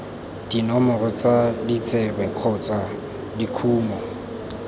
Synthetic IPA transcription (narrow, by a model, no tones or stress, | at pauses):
d̥inɔmʊrʊt͡sadit͡sʼɛbɛkʰɔt͡sʼa | dikʰuːmɔ